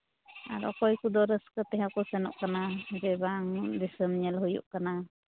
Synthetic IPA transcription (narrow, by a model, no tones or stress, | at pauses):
a̰ɾɔ̰kɔjkud̪ɔɾəskət̪ɛɦɛkɔsɛnɔ̰ʔkanad͡ʒɛbaŋd̪isəmɲɛlɦujṵʔkana